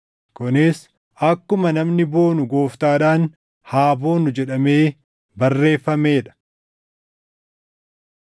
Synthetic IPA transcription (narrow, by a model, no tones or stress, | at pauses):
kʊnɪs | ɐkːʊmɐnɐmnɪbo̞ːnʊɡoːft̪aːᶑaːn | haːbo̞ːnʊd͡ʒɛᶑɐme̞ː | bɐrːe̞ːfːɐmeːᶑɐ̥